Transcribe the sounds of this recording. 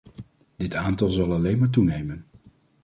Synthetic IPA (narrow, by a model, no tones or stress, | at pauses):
dɪtaːntɑlˠzɑlˠɑlejnmaːɹt̬unejmən